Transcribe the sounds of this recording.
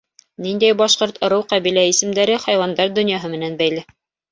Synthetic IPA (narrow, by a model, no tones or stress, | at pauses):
nind̪æjbɑʃqoɾt̪ŏɾɤwqæβilæisɘ̆md̪æɾɘχɑjwɑnd̪ɑɾd̪ɵ̆njɑɦɤmɘ̆nænbæjlɘ